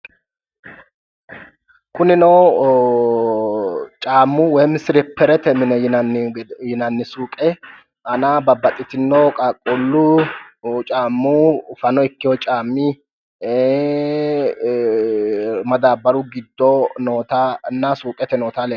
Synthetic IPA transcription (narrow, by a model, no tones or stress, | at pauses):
kʊnɪnɔw | t͡ʃʼaːmːʊwɛjmɪsɪɾɛpʰːɛɾɛt̪ɛmɪnɛnjɪnɐnːɪsuːkʼɛ | ʔɐnabɐbɐt̪ʼːɪt̪ɪnːowkʼakʼːʊlːʊ | t͡ʃʼaːmːufɐnɔɪkːɪjɔt͡ʃʼaːmːi | mɐd̪aːbɐɾʊɡɪd̪ːɔnoːt̪anasuːkʼɛt̪ɛnoːt̪alɛ